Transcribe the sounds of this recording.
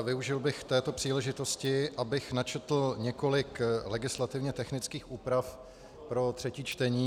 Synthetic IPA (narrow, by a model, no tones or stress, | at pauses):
vɪuʒɪlbɪxft̪ɛːt̪o̞pr̝̥iːlɛʒɪt̪o̞scɪʔabɪxnat͡ʃɛt̪l̩ɲɛko̞lɪklɛɡɪslat̪ɪvɲɛt̪ɛxnɪt͡skiːxʔuːpɾaf | pɾo̞t̪r̥ɛciːt͡ʃt̪ɛɲiː